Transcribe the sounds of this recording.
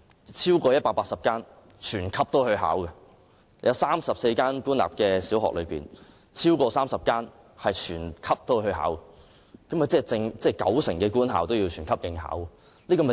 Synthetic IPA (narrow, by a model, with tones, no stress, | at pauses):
t͡sʰiː˥wkɔː˧jɐ˥t̚paː˧k̚paː˧t̚sɐ˨p̚kaː˥n | t͡ʃʰyː˨˩nkʰɐ˥p̚t̪o˥hɵ˧ɥɦa̰ː˨˥wkɛ˧ | jɐ˨˧wsaː˥msɐ˨p̚se˧jkaː˥nkuː˥nla̰ː˨p̚kɛː˧siː˨˥wɦɔ̰ː˨k̚lɵ˨˧pḭː˨˩n | t͡sʰiː˥wkɔː˧saː˥msɐ˨p̚kaː˥n | hɐ˨jt͡ʃʰyː˨˩nkʰɐ˥p̚t̪o˥whɵ˧ɥha̰ː˨˥wɛ˧ | kɐ˨˥mɐ˨˩t͡sɛː˥˩t͡sɪ˧ŋt͡sɛː˥˩kɐ̰˨˥wsɪ˨˩ŋkɛː˧kuː˥nɦaː˨wt̪o˥wji˧wt͡ʃʰyː˨˩nkʰɐ˥p̚jɪ˨˧ŋha̰ː˨˥w | liː˥kɔː˧mɐ˨˩